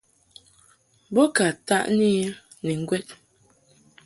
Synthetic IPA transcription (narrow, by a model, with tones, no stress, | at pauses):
bɔ˦ka˨ta̰˦ʔni˦ | nɛ˨ŋ̩˦ɡwɛ˦t̚